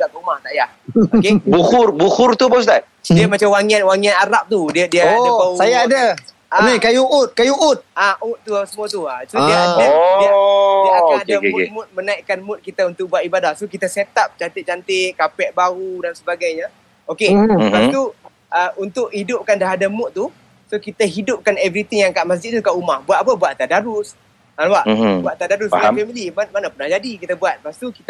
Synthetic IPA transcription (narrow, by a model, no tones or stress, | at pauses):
ɡaʔt̪umaht̪aʔjahokebuhʊrbuhʊrt̪upɔus̬t̪a | diəmat͡ʃamwaŋianwaŋianaɾap̚t̪udiədiəaapausajaːda | amikajuʔut̪̚kajuʔut̪̚aʔʊt̪̚t̪uasəmuat̪uasudiaadiaiadam̰̚mʊt̪̚mənaiʔkanmʊt̪̚kit̪aunt̪ʊk̚buaʔ̪ibadahsukit̪aset̪ap̚t͡ʃant̪ɪt͡ʃant̪ɪʔkapɛʔ̚baɣudansəbaɡajɲa | okesəbast̪u | ʔəunt̪ʊʔhidʊp̚kandaɦadamʊt̪̚t̪ːu | sokit̪əɦidʊp̚kanɛvɾit̪iŋjaŋkaʔmas̬d͡ʒɪt̪̚t̪ukaʔumahbuat̪̚ap̬abuat̪̚t̪aʔdaɾʊs | anbaʔbuat̪ʔt̪ːaʔdaɾʊsafɛmilimamanapənahd͡ʒadikit̪əbuat̪̚past̪ukit̪